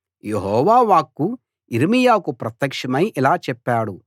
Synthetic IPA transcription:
jeɦɔːʋaːʋaːkːu | iɾmijaːkupɾɐt̪jɐkʂɐmɐjʔilaːt͡ʃɛpːaːɽu

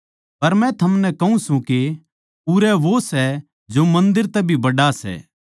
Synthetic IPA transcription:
pɐɾmɛ̃t̪ʰɐmnɛkɐɦũsũke | uɾɛʋosɛ | d͡ʒomɐ̃nd̪ɪɾt̪ɛbʱibɐɽasɛ̰ː

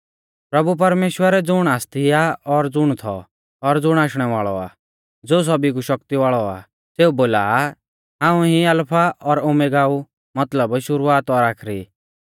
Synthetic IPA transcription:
pɾɐbup̬ɐɾmeːʃwəɾɛd͡zʊɽ̃aːst̪ʰiaɔɾd͡zʊɽ̃t̪ʰɔ̰ | ɔɾd͡zʊɽ̃aːʃɽ̃ɛʋaːɭɔa̰ː | d͡zoːs̬ɐbikuʃɐk̚t̪iʋaːɭɔa̰ | seːuboːla̰ | ɦãːũɦĩɐlpʰaʔɔɾʊmeɡaːu | mɐt̪ləbʃʊɾuaːt̪ɔɾaːkʰɾḭː

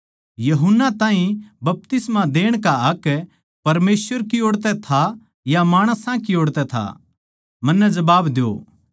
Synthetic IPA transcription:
jɐɦʊnːat̪ãːɦĩbɐp̚t̪ɪsmad̪eːɽ̃kaɦɐkː | pɐɾmeːsʋəɾkioːɽt̪ɛt̪ʰa | jamaːɽ̃əsãkioːɽt̪ɛt̪ʰa̰ | mɐnːɛd͡ʒɐbaːbd̪eo̰ː

